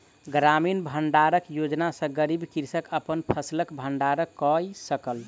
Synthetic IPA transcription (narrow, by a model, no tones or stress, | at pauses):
ɡɾaminbʱəɳɖaɾəkjod͡ʒnasə̃ɡəɾibkiɾsəkəpənpʰəsiləkbʱəɳɖaɾəkːɔjsəkəl